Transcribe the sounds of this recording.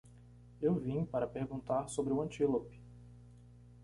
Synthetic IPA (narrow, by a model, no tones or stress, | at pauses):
ewvĩɲpaɾɐpeɾɡũnt̪aɾsobɾɪuɐ̃nt͡ʃilopɪ̥